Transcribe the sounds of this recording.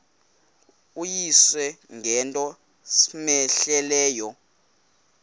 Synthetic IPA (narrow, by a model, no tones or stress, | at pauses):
ujiswɛŋʱɛntʼɔ | smɛɬɛlɛːjɔ